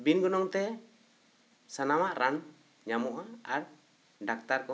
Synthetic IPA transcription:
binɡɔnɔŋt̪ɛ | sanamaʔɾan | ɲamɔʔaaɾ | ɖak̚t̪aɾkɔ

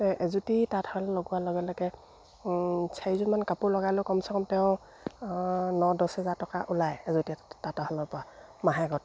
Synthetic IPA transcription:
ɛʔɛzutitatʰɔɔlɛloɡʊwalɔɡɛlɔɡɛ | sʰaizumankapʊɹlɔɡalʊkɔmsɔkɔmtɛʊ̃ | nɔdɔshɛzatɔkaʔulajɛzutitatɔɦalɔɹpɔɹamaɦɛɡɔt̚

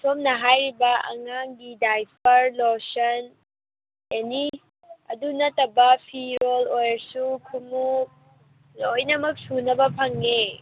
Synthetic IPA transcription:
tʰomnɐɦajɾibɐɐ̰ŋaŋɡidajpʰɐɾlosɐn | jani | ɐ̰dunɐtɐbɐpʰiɾolojɾsukʰumu | lojnɐmɐk̚sunɐbɐpʰɐŋːe

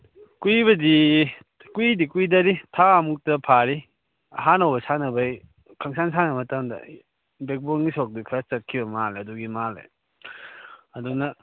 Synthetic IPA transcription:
kuibɐdi | kuidikuidɐɾitʰaɐmuk̚tɐpʰaɾi | ɐ̰ɦanɐwbɐsanɐbɐj | kʰaŋsansanɐmɐtɐmdɐ̰ | bek̚boŋisok̚dikʰɐst͡ʃɐt̚kʰibɐmaleɐduɡimalḛ | ɐdunɐ

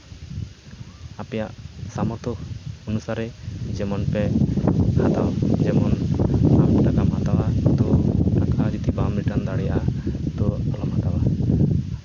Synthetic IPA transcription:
apɛjaʔsamɔt̪ɔɔnusaɾɛd͡ʒɛmɔnpɛ | hat̪awd͡ʒɛmɔnamʈakamhat̪awat̪ɔnakʰad͡ʒut̪ibamɾiʈand̪aɽɛjaʔat̪ɔalɔmhat̪awa

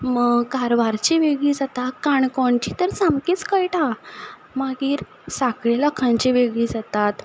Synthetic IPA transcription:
məɡkaɾʋaɾt͡ɕiʋeɡɭiːd͡zat̪akaɳkɔɳt͡ɕit̪əɾt͡samkiːt͡skəjʈa | maɡiːɾ | sakɭeləkʰãɲt͡ɕiʋeɡɭiːd͡zat̪at̪

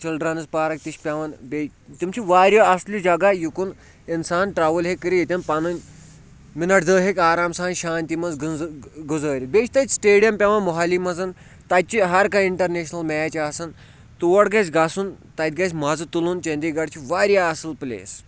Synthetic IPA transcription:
t͡ʃilɖɾanɨzpaːɾɐk̚t̪iʃʲpʲaʋɐnbet̪imt͡ʃʰiʋaːɾjaɐslud͡ʒɐɡajukun | insaːnʈɾaːʋɐlɦekːəɾijit̪ʲɐnpɐnɐnʲ | minɐʈʰd̪əːɦekʲaːɾaːmsaːnʃaːnt̪imɐnzɡɡuzəːɾʲibeːt͡ʃʰʲt̪ɐt͡ʃʲsʈeːɽijɐmpʲaʋɐnmɔɦaːlimɐzɐn | t̪ɐt̪̚ʲt͡ʃiɦɐɾkaiɳʈɐɾneːʃnɐlmajt͡ʃaːsɐn | t̪uʋɐʈɡɐsʲɡasunt̪ɐt̪̚ʲɡɐsʲmazɨt̪ulunt͡ʃɐnd̪iːɡɐɽt͡ʃʰiʋaːɾjaːsɨlplʲḛːs

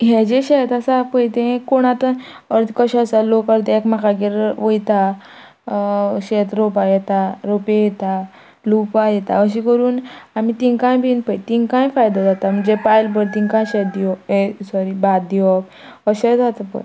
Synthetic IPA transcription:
ɦɛd͡ʑeɕɛt̪asapəjt̪ẽkoɽ̃at̪ | əɾt̪kəɕasalokəɾt̪ekmakaɡeɾʋəjt̪a | ɕet̪ɾopajɛt̪aɾopejɛt̪a | lupajɛt̪a̰əɕ̬ikəɾuːnamit̪iŋkãjbʱinpəjt̪iŋkãjfajd̪ad͡zat̪am̤əɳd͡ʑepajlbəɾt̪ĩŋkãj̃ɕɛt̪̚d̪iɔesɔɾibat̪̚d̪iʋɔk̚ | əɕɛd͡zat̪apə̰ɾ

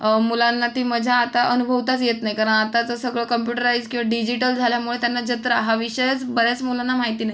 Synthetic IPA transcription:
mulanːat̪iːməd͡ʑʱaːt̪aʔənubʱəʋt̪at͡sjet̪najkaɾəɳat̪at͡səsəɡɭəːkəmpjuʈəɾaid͡zkĩw̃ʋaɖid͡ʑiʈəld͡zʱaljamuɭet̪janːad͡ʑət̪ɾəɦaʋiɕəjət͡sbəɾat͡smulanːamaɦit̪iːnai

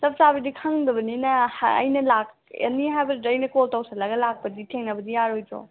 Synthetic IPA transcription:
sɐp̚sabɐdikʰɐŋdɐbɐninɐhːjnɐlak̚ | ḛniɦajbɐɐjnɐkoltawsɐlɐɡɐlak̚pɐditʰeŋnɐbɐdijaɾojtɾɔ̰

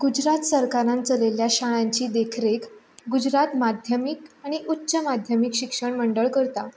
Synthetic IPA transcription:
ɡud͡ʑɾat̪səɾkaɾãnt͡səleljaɕaɭ̃ãɲt͡ɕiːd̪ekʰɾek | ɡud͡ʑɾat̪mad̪ʱjəmikaɽ̃iʔutːɕəmad̪ʱjəmikɕikʂəɳməɳɖəɭkəɾt̪a

